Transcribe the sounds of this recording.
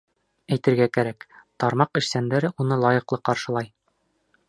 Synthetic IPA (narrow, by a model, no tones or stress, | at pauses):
æjt̪ɘ̆ɾɡækæɾækt̪ɑɾmɑqɘ̆ʃsænd̪æɾɘʔunɤlˠɑjɤ̆qlˠɤqɑɾʃɤ̆lˠɑj